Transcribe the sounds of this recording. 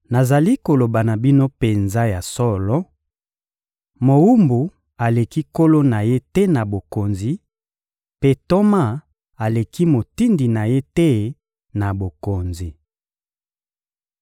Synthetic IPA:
na˨za˨li˦ko˨lo˨ba˨na˨bi˦no˦pe˨nza˦ja˨sɔ˦lɔ˦ | mo˨wu˦mbu˨ | a˨le˨ki˦ko˦lo˦na˨je˦tɛ˦na˨bo˨ko˨nzi˨ | pe˦to˦ma˦ | a˨le˨ki˦mo˨ti˦ndi˨na˨je˦tɛ˦ | na˨bo˨ko˨nzi˨

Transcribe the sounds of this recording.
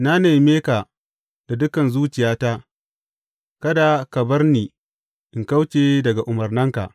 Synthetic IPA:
na˦neː˨jmeː˦ka˨ | d̥a˨dʊ˦kɐ˨nzuː˦t͡ʃɪ˨jaː˦ta˦ | kɐ˦da˨kɐ˨bɐ˦rniː˨ | ʔɪ˨ŋka˦wt͡ʃeː˨dɐ˨ɡa˨ʔʊ˨mɐ˨rnɐ˦ŋka̰˨ʔ

